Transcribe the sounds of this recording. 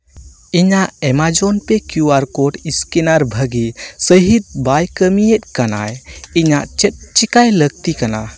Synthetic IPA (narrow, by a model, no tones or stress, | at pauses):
iɲaʔɛmad͡ʒɔnpɛkjuwaɾkɔʈiskɛnaɾbʱəɡisəɦit̪̚bajkəmijɛt̪̚ˀkana̰jiɲaʔt͡ʃɛt̪̚t͡ʃikajləɡ̚t̪ikana